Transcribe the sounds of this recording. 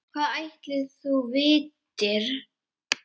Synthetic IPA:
kʰvaːðajht̪lɪðθuvɪːt̪ɪɾ̥

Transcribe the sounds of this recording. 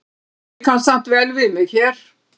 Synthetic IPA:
kʰansamn̥t̪vɛlvɪðɪmɪɣçɛːɾ̥

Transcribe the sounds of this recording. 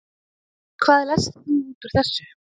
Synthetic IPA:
kʰvaːðɛlɛst̪inuːt̪ʏɾ̥θɛsːʏ̥

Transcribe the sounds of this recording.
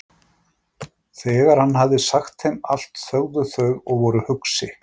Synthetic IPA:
θɛːɣaɾ̥hanːɦavðɪsaxt̪θɛma̰l̥t̪θœɣðʏθœːɣɔɣvɔɾʏhʏksɪ

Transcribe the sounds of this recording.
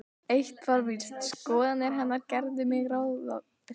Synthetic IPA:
ejht̪faɾvi̥st̪skɔːðanːɪɾ̥ɦanːaɾcɛɾðʏmɪɣɾawa̰

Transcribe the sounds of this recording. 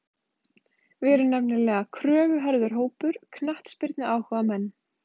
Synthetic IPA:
vɪɛɾʏmnɛvnɪlɛːɣakʰɾœːvʏɦɛɾðʏɾ̥ɦoːwpʏɾ̥kʰnaht̪spɪɾt̪nɪawhʏamɛnː

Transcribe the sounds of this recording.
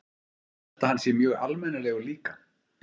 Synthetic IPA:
ɛt̪ahanːsjɛmjœːɣalmɛnːalɛɣɔliːka

